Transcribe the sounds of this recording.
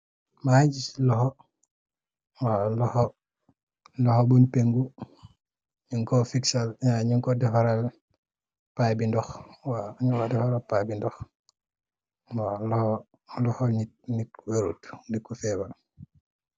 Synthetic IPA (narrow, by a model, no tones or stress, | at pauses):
maɟislɔhɔ | walɔhɔ | lɔhɔbunpeŋɡu | ɲiŋkɔfiksalɲaɲiŋkɔdɛfɔɾal | pajbindɔxwaɲuŋkɔdɛfaɾalpajbindɔx | walɔh | lɔhɔɲit̚nikweɾṵtndikːufɛːbal